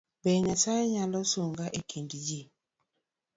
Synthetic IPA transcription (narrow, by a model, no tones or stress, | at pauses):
bɛɲasaɛɲalɔsoŋɡaʔekʰeŋɡid͡ʒi